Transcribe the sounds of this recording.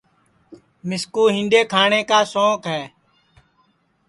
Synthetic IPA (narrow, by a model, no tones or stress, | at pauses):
mɪskuːɦɪ̃nɖeːkʰaːɳeːkaːsõːkɦɛː